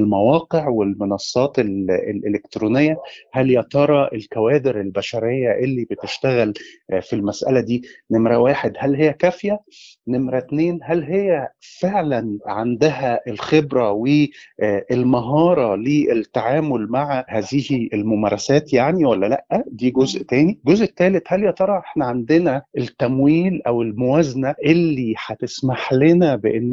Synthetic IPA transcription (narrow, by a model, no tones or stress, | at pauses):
lmæwɑːqeʕwelmenɑsˤːɑːt̪elelʔelekt̪ɾuːnejːæhæljɑt̪ɑɾˤɑʔelkæwæːd̪eɾelbæʃæɾejːæʔelːiːbet̪eʃt̪æɣælfilmæsʔæ̰læd̪iːnemɾæwæːħed̪hælhejːækæfjæ | nemɾæt̪neːnɦælɦejːæfeʕlænʕand̪æɦæʔelxebɾæweʔelmɑɦɑːɾˤɑleʔet̪ːaʕaːmolmaʕahæːziːhielmomæːɾˤɑsæːt̪jaʕniwælːælæʔːæd̪iːɡozʔt̪æːniɡozʔt̪ːæːlet̪hæljɑt̪ˤɑɾˤɑʔeħnæʕand̪enæʔet̪ːæmwiːlʔæwelmowæznæʔelːiħæt̪esmaħlenæbeʔenː